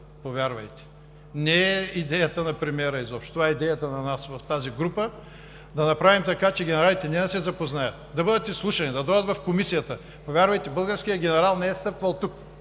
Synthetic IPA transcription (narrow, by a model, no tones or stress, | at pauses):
povʲjaɾvɐ̰jt̪ɛ̥ | nɛɛid̪ɛjət̪ənɐpɾɛmiɛɾəizɔpʃt̪o̥t̪ovaɛid̪ɛjət̪ənɐnasvɐft̪aziɡɾupə | d̪ɐnɐpɾavimt̪ɐkat͡ʃɛɡʲɛnɛɾalit̪ɛnɛd̪ɐsɛzɐpoznajɐt̪d̪ɐbɤd̪ət̪islˠuʃɐnid̪ɐd̪ɔjd̪ət̪vɐfkomisijɐt̪ə | povʲjaɾvɐjt̪ɛbɤlˠɡəɾsk̟ijəɡʲɛnɛɾalˠnɛɛst̪ɤɾp̪vɐlˠt̪uk